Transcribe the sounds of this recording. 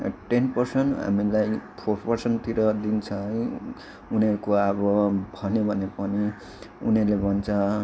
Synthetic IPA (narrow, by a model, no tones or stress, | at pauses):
ʈenpʌrsʌnɦa̰milajpʰorpʌrsʌnʈt̪iɾʌd̪int͡sʰʌ | unekoʌbʌbʱʌnjobʱʌnepʌni | unelebʱʌnt͡sʰʌ